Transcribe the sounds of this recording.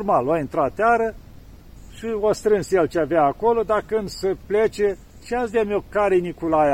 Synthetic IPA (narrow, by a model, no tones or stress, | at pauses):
rmaloaint̪ɾat̪ːeaɾə | ʃiast̪ɾɨnsjelt͡ʃeavjaːkolod̪akɨnd̪səplet͡ʃe | ʃiazd̪eamiokaɾenikulaja